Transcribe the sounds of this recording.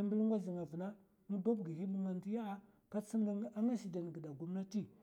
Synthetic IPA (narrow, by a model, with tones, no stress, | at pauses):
a˦mbi˦lŋɡʷa˦zi˨ŋa˨və˨na˦ | ŋ˦ba˦b̚ɡi˨ɦi˦bu˦ŋa˨ndi˦ja˦a˦ | ka˦sə˦a˦ŋa˦si˨da˨n˨ɡə˨da˨ɡu˦mna˦ti˦